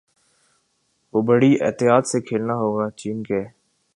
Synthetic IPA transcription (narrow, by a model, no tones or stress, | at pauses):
ʋoːbɐɽiɛ̰ːt̪ɪjaːt̪sekʰeːlnaɦoːɡaːt͡ʃiːnkeː